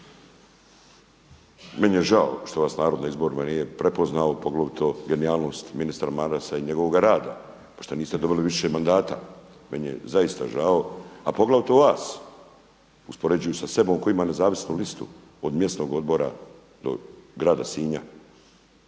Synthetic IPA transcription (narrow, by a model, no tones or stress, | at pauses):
menjeʒao̰ʃt̪o̞ʋaːsnaːɾo̞d̪naizbo̞ɾimanijepɾepo̞znaopo̞ɡlaʋt̪ʰo̞ɡe̞niaːlˠno̞ːst̪minist̪ɾamaɾasaiɲe̞ɡoʋoɡaɾaːd̪a̰ | poʃt̪oniːst̪ed̪o̞biliʋiʃemand̪aːt̪a̰ | menjḛzaist̪a̰ʒao̞apoɡlaʋt̪oʋaːs | uspo̞ɾe̞d͡ʑujusase̞bo̞ːmko̞imane̞zaːʋisnulist̪ṵ | od̪mje̞st̪no̞ːɡo̞d̪bo̞ɾa̰ | d̪o̞̰ɡɾaːd̪asiːɲa